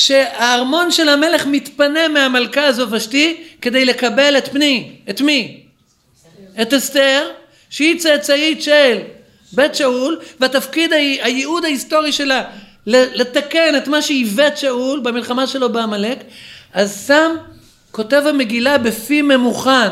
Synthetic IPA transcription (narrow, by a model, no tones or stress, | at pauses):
ʃe̞aːʁmo̞nʃe̞lhame̞le̞χmit̪pane̞meamalkaːzo̞tvaʃtike̞d̪e̞jle̞kabe̞let̪pniet̪mi | etesteʁ | ʃeit͡set͡saitʃel | be̞t̪ʃaulveatafkid̪aajeud̪haist̪o̞ʁiʃe̞la | lelet̪ake̞ne̞t̪maʃeivet̪ʃaulbamilχamaʃelo̞beamalekʔazsam | ko̞t̪e̞vame̞ɡilabefime̞muχan